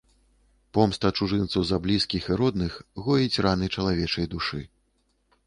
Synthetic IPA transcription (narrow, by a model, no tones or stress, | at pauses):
pɔmst̪ɐt͡ʂuʐɨnt̪sɐwzɐblʲiskʲixiɾɔd̪nɨxɣɔjit͡sʲranɨt͡ʂɐlˠavʲɛt͡ʂɐjd̪uʂɨ